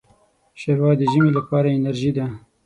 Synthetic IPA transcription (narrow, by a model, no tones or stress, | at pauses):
ʃeɾwɑd̪əʒəmelapɑːɾaɪnaɾʒid̪a